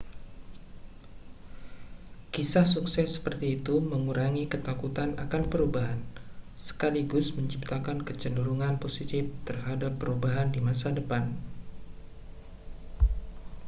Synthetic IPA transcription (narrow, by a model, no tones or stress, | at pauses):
kisahsuksɛsːə̥pərt̪iːt̪uməŋuɾʔaŋikət̪akut̪ana̰kanpəɾubaɦan | sə̥kaliɡʊsməɲt͡ʃip̚t̪akankət͡ʃənuɾuŋanposit̪ɪft̪ərɦadapːəɾubaɦandimasadəpan